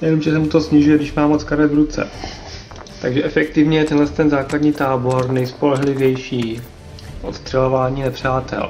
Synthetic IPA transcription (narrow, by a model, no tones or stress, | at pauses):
nɛvimʒɛsɛmut̪o̞sɲɪʒujɛdɪʃmaːmot͡skaɾɛvɾut͡sɛ̰ | t̪aɡʒɛʔɛfɛk̚t̪ɪvɲɛjɛt̪ɛnɦlɛst̪ɛnzaːkladɲiːt̪aːbo̞ɾnɛjspo̞lɛɦlɪvjɛjʃiː | ʔo̰t̪st̪r̝̥ɛlovaːɲiːnɛpr̝̥aːt̪ɛ̰l